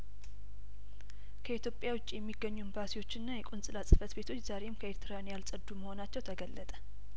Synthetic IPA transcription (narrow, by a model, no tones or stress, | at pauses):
kʰəit̪ʰjopʼjawʊt͡ʃʼijɛmːiɡːəɲːumbasijwo̞t͡ʃːɪnːajɛkʼunsʼɨlasʼɨfət̪be̞t̪ʰo̞t͡ʃːz̥aɾe̞mkʰəeɾt̪ʰɨɾanjalsʼəd̪ːuməho̞nat͡ʃːɛwt̪ʰəɡəlːət̪ʼə